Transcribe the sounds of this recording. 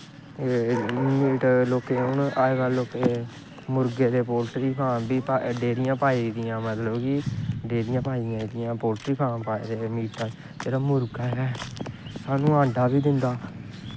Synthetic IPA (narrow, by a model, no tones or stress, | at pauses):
emiːʈloːkeːʊnaːeɡaloːkeː | mʊɾɡeːd̪eːpoːlʈɾiːpʰaːbiːpaɖeːɾɪjãːpaːiːd̪ɪjãːmət̪ləbkɪːɖeːɾɪjãːpaːiãːd̪ɪjãːpoːlʈɾiːpʰaːnpaːeːd̪eːmiːʈə | d͡ʒeːɾaːmʊɾɡaːɦɛːsaːnũːãːɳɖaːbiːd̪ɪnd̪aː